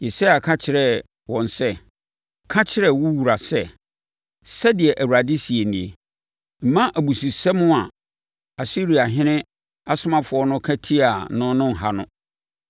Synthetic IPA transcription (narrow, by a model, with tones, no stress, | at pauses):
ji˨sa˦ja˨kʰa˦t͡ɕʰɪ˨ɾɛ˦ | wɔ̃˨n˨sɛ˦ | kʰa˦t͡ɕʰɪ˦ɾɛ˦wu˦wu˨ɾa˨sɛ˦ | sɛ˦dɪ˨ɛ˨ʔæ˨wu˨ɾa˨dɪ˦si˨e˨nĩ˨e˨ | m̩˨mã˦ʔæ˨bu˨su˨sɛ˦mʊ̃˦a˨ | a˨si˦ɾi˨a˨ɦɪ̃˦nɪ̃˦ | a˦sʊ˦mã˦fʊ˨ɔ˦nʊ̃˦kʰæ˦tʰi˦a˨nʊ̃˦nʊ̃˦ŋ̩˨ɦa˦nʊ̰̃˦